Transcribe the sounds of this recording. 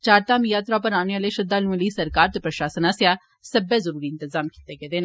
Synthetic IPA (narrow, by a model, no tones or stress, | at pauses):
t͡ʃaːɾt̪aːmjaːt̪ɾaːpəɾaːneːaːleːʃəd̪aːnũːliːsəɾkaːɾt̪eːpɾəʃaːsənaːsjaː | səbeːzəɾuːɾiːɪnt̪əzaːmkiːt̪eːɡeːd̪eːnː